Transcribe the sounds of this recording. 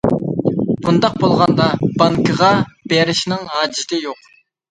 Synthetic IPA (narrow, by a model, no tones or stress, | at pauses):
b̥und̪ɑq̚bolˠʁɑnd̪ɑb̥ɑŋkəʁɑb̥eɾɪʃnɪŋɦɑːd͡ʒɪt̪ʰɪjoq